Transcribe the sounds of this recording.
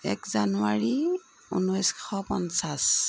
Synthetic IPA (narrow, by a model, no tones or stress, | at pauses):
ɛkzanuaɹi | unɔjsxɔpɔnsas